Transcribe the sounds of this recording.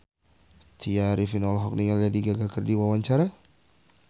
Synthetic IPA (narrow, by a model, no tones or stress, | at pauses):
t̪ʰiaɾifinɔlɦɔk̚niŋald͡ʒadiɡaɡakərdiwawaɲt͡ʃaɾa